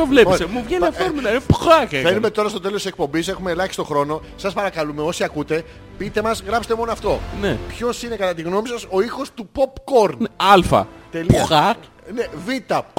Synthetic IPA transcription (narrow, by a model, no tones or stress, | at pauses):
ovlesemuvʝeniɐfoɾmilɐinpxɐkefennume̞t̪o̞ɾɐst̪ot̪elost̪isek̚po̞mbise̞xumeːlɐçsist̪o̞xɾo̞no̞ | sɐspɐɾɐkɐlume̞o̞siɐkut̪e̞ | pit̪e̞mɐzɣɾɐpset̪emo̞noɐft̪o̞nepço̞sine̞kɐt̪ɐt̪iɣno̞misɐso̞ixo̞st̪upo̞pko̞ɾnɐlfɐ̰t̪elixɐk | nevit̪ɐ